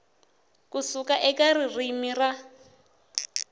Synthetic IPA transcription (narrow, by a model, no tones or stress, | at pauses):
kusukaʔɛkaririmira